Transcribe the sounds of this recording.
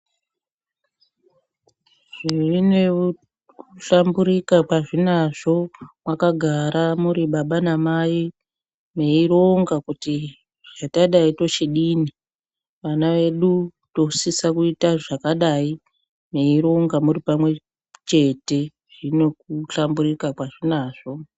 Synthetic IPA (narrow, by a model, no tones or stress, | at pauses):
ʐ̥iʐine | uɬambuɾikapaʐinaʐo̞mwakaɡʱaɾamuɾiɓaɓanamaji | me̞iɾo̞ŋɡakuti | ʐ̥ataɗaito̞t͡ʃeɗiːni | ʋanaʋe̞ɗu | to̞sisakuitaʐakaɗai | me̞iɾo̞ŋɡamuripamwe̞ | t͡ʃe̞te̞ | ʐ̥ine̞kuɬamburikakwaʐinaːʐo̞